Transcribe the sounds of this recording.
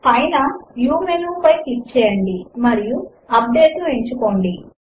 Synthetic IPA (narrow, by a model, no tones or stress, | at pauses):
ɐjnɐjuːmenuːpɐjtik̚t͡ʃɛːjɐɳɖimɐɾiju | ɐp̚ɖe̞ːʈlue̞ɲt͡ʃuko̞ːɳɖi